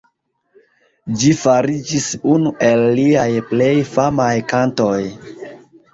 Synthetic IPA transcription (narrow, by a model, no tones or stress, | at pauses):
d͡ʒifaɾid͡ʒisunuʔe̞lːiajple̞jfamajkanto̞j